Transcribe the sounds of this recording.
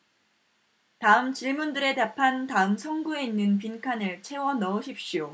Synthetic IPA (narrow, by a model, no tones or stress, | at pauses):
taɯmt͡ɕiɭmundɯɾe̞tapʰantaɯmsʰʌŋɡue̞inːɯnp̬inkʰanɯɭt͡ɕʰe̞wʌnʌɯɕʰip̚ɕ͈ijo